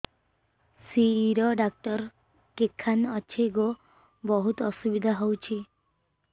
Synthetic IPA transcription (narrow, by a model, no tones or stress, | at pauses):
siːɾɔɖak̚ʈɔɾ | kekʰːanɔt͡ɕʰeɡo | bɔɦut̪ɔsubid̪ʱaɦowt͡ʃʰi